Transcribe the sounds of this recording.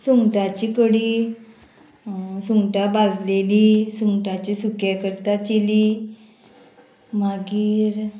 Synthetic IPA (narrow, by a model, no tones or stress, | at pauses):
suŋɡʈat͡ɕikəɽi | suŋɡʈabad͡zlelisuŋɡʈat͡ɕisukjakəɾt̪at͡ɕili | maɡiːɾ